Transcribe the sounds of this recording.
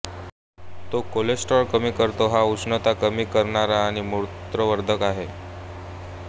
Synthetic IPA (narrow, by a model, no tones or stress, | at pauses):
t̪okolesʈɔɾkəmiːkəɾt̪oɦausɳət̪akəmiːkəɾɳaɾaːɽ̃imuɾt̪ɾəʋəɾd̪ʱəkaɦe